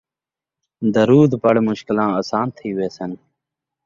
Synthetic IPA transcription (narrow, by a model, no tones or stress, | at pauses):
d̪əɾuːd̪bəɽmʊʃkɪlãːəsãːnt̪ʰiːʋeːsən